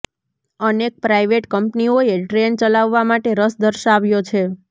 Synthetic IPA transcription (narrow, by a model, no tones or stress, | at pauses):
ənek̚pɾaiʋeʈkəmpnioeʈɾent͡ʃəlaʋːamaʈeɾəsd̪əɾʃaʋjot͡ʃʰe